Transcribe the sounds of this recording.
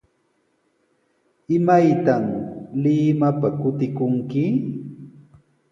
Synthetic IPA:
ɪmajt̪amlɪmapakʊt̪ɪkʊŋkɪ

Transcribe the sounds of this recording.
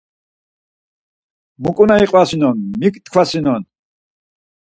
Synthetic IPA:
mukʼunaiqʼwasinɔnmikt̪kʰwasinɔn

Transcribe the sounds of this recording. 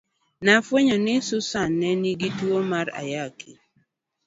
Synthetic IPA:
nafweɲɔnɪsʊsanːɛniɡitwomaɾa̰jakʰi

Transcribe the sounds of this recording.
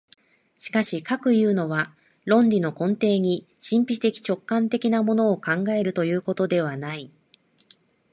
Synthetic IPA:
ɕi̥kaɕikakɯ̟jɯ̟ːno̞βa | ɾõ̞ndʲino̞kõ̞nt̪e̞ːɲ̟i | ɕĩmpʲit̪e̞kʲi̥t͡ɕo̞kːãnt̪e̞kʲinamo̞no̞ːkãŋɡae̞ɾɯ̟t̪o̞jɯ̟ːko̞t̪o̞d̪e̞β̞anai

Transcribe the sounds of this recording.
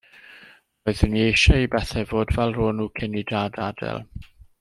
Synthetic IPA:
ɔɨðəniejʃaibɛθɛvoːdvɛlˠroːnuːkʰɪnidadadɛ̰lˠ

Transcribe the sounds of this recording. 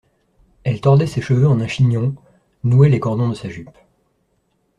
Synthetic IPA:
ɛlt̪ɔʁd̪ɛseʃəvøɑ̃nɛ̃ʃiɲjɔ̃ | nuɛlekɔʁd̪ɔ̃d̪əsaʒyp

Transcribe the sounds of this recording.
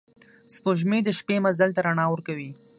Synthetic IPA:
spoʒmed̪əʃpemazalt̪aɾaɳɑwəɾkawi

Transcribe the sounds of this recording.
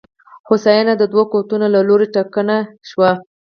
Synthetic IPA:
xosɑjɑnad̪əd̪wakot̪unolaloɾeʈakənaʃwa

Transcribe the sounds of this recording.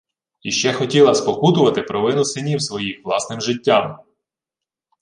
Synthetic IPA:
iʃt͡ʃɛxɔtʲilˠɐspɔkut̪ʊʋɐt̪ɪpɾɔʋɪnʊsɪnʲiwsʋɔjixʋlˠɑsnɪmʒɪtʲːam

